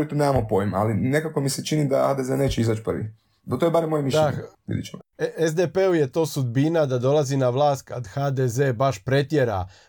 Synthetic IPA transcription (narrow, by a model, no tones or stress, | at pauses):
lit̪uneːmamopojma̰linekakomiset͡ʃinid̪ahad̪ezene̞ːt͡ʃeizat͡ʃprʋḭ | t̪ojebaɾemːojemiʃʎeaɲʋḭd̪ḭt͡ʃemaezd̪epeuje̞t̪o̞ːsud̪̚binad̪ad̪o̞lˠazinaʋlˠaːst̪̚kad̪xaːd̪ezeːbaʃpɾe̞t̪jeɾa̰